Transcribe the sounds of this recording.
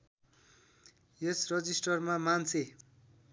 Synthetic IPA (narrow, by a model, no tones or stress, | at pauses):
esrʌd͡zisʈʌrmamant͡sʰe